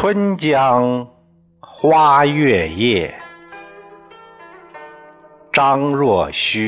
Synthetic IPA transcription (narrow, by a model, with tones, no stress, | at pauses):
wə˥nt͡ɕjɑ˥ŋ | xwa˥ɥɛ˥˧jɛ˥˩ | ʈ͡ʂɑ˥ŋɻwɔ˥˩ɕy˥